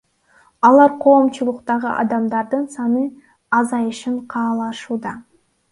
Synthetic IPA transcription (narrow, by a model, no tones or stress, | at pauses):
ɑlˠɑɾqʰo̞ːmt͡ʃulˠʊqt̪ɑʁɯʔɑ̰d̪ɑmd̪ɑɾd̪ɯnsɑnɯ | ɑzɑjɯʃɯɴqʰɑːlˠɑʃuːd̪ɑ